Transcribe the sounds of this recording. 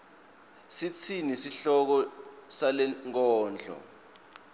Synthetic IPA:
sit͡sʰinisiɬɔk̬ɔsalɛŋk̬ɔːnd͡ɮʱɔ̰

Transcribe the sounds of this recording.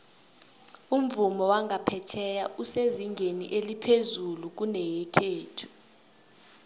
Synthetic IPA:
um̩vumɔwaŋʱapʰɛt͡ʃʰɛjauseziŋɡʱenḭʔelipʰezuluk̬unɛjɛkʰeːtʰu̥

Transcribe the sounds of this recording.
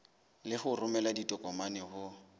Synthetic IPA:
lɪhʊrʊmɛladitʼɔkʼɔmanɪhʊ

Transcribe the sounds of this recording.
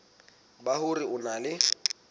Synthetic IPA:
bahʊriʊnalɪ

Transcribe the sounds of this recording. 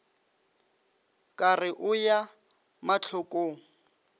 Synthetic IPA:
kʼarɪʔʊja | mat͡ɬʰʊkʼoːŋ̩

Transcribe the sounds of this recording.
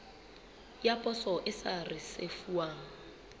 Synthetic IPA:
japʼɔsɔʔɪsarɪsefuaːŋ̩

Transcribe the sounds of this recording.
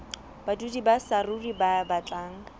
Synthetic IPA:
b̥adudibasaruribabat͡ɬʼaːŋ̩a

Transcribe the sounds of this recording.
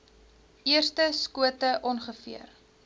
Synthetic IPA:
iərstəskuətəʔɔnχəfḭər

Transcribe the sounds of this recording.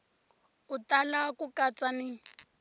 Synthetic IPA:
ʊtalakukʼat͡sʼanɪ

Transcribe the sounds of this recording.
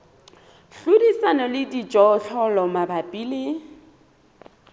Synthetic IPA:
ɬʊdisanɔlɪdit͡ʃʼɔɬʰɔlɔmabapʼiːlɪ

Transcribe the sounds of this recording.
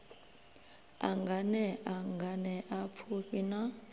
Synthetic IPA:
a̰ŋɡʱanɛʔaŋɡʱanɛʔapʰuɸina

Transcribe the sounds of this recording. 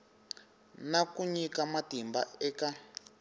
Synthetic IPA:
nakuɲikamatimbaɛka

